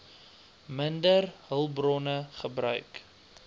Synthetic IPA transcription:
məndərɦəlˠbrɔnəχəbɾœ̰ɥk

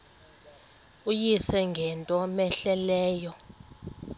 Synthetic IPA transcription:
ujisɛŋɡʱɛntʼɔmɛɬɛlɛːjɔ

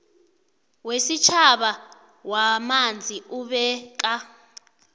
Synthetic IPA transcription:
wesit͡ʃʰaɓa | wamand͡zʱiʔuɓɛk̬ʼa

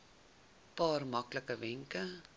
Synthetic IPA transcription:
pɑːrmɐkləkəvɛŋkə

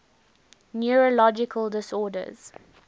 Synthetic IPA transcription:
njɔɹəlɔd͡ʒɪkʰəlˠdɪsɔːdə̰z̥

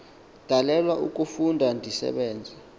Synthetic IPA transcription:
d̥ʱalɛlwaʔuk̬ʼufundʱandʱisɛ̰ɓɛːnd͡zʱa

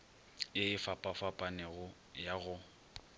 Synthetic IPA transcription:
eɪfapʼafapʼanɛɣʊ | jaɣʊ

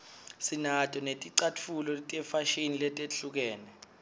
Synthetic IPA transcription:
sinatʼɔnetʼiǀatʰulɔlitʼɛfaʃinilɛtʼeɬuk̬ɛːnɛ

